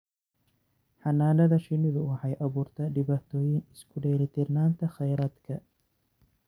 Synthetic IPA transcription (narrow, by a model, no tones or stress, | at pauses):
ħɑnaːnɐðɐʃɪnɪðʊwɑħɑjʔɐβuːrt̪ʰɐɖɪβaːt̪ʰɔːjɪnɪskʰʊɖɛːlɪt̪ʰɪrnaːnt̪ʰɐχɛjɾaːd̪kʰɐ